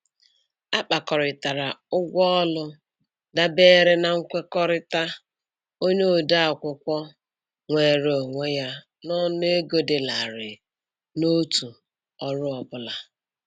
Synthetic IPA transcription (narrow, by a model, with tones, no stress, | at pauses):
a˦k͡pa˨kɔ˨ɾɪ˨ta˨ɾa˨ʊ˦ɡʷɔ˦ɔ˦lʊ˦ | da˦beː˦ɾe˦na˨ŋ̩˦kʷe˦kɔ˦ɾɪ˦ta˦ | o˦ɲo˦˨da˦a˨kʷʊ˨kʷɔ˦ | ŋʷe˨ɾe˨o˨ŋʷe˦ja˦ | nɔ˦ne˦ɡo˦de˨la˨ɾɪ˨ | no˦tu˨ | ɔ˦ɾʊ˦ɔ˨bʊ˦la˨